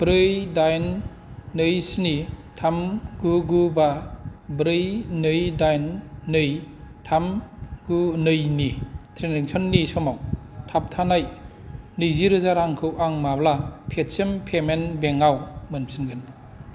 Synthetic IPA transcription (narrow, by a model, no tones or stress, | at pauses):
b̥ɾɯjdajnː | ɯjsnitʰamɡɯɡubabɾɯjnɯjdajnːɯjtʰamɡ̥unɯjnitʰɾeniŋsʰɔnːisɔmawtʰap̚tʰanajnɯjziɾɯzaɾaŋkʰɯwʔaŋmablapʰet̚sɯmpʰemenbeŋawmɯnsʰinɡɯn